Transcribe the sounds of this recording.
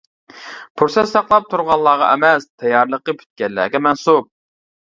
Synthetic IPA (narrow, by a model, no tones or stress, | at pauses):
pʰuɾsɛsɑqlˠɑp̚t̪ʰuɾʁɑlˠːɑːʁɑ̰ʔɛmɛst̪ʰɛjːɑɾlˠəqəpʰy̥t̪̚kʲɛlːæ̰ːɡʲɛmɛnsup̚